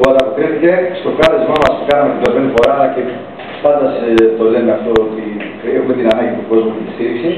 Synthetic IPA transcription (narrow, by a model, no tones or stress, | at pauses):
oɐt̪ɐpokɾeθice̞st̪o̞kɐlezmomɐspukɐnɐmeid̪oped̪ifo̞ɾɐlɐce̞ | pɐnd̪ɐst̪o̞le̞neɐft̪o̞ot̪i | ɾexume̞t̪inɐnɐɲɟit̪uɡo̞zmutet̪ist̪iɾiksi